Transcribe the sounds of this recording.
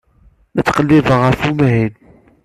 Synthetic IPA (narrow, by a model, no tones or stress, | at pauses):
næt͡sːqəlːivəʁəɾfumɦin